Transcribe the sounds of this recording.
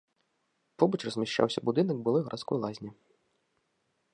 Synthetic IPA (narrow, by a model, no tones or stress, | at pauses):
pɔbɐt͡ʃrɐzʲmʲaʂt͡ʃa̰wsʲɐbud̪ɨnɐɡ̚bɨlˠɔɣɐɾʔat̪skɔjlˠazʲnʲi